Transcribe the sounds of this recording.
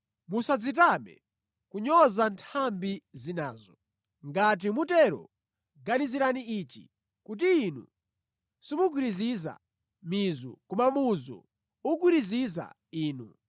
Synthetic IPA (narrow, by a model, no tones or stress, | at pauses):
musad͡zit̬amɛ̰ | kuɲɔzantʰambizinaːzɔ | ŋɡat̬imutɛɾɔ̰ | ɡaniziɾaniit͡ʃḭ | kut̬iːnṵ | simuk̬wiɾiziza̰ | mizṵkumamuzɔ̰ | uk̬wiɾiziza̰ | iːnu